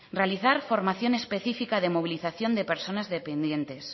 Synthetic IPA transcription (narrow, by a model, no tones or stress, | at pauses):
realiθaɾfo̞ɾmaθjonespeθifikaðemoβ̞iliθaθjo̞nd̪epeɾsonazðepend̪je̞nt̪e̞s